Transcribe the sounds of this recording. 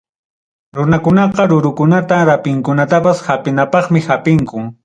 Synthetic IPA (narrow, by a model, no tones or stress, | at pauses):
ɾʊnakʊnɑqɑɾʊɾʊkʊnat̪aɾapɪŋkʊnat̪apashapɪnapɑχmɪhapɪŋkʊŋ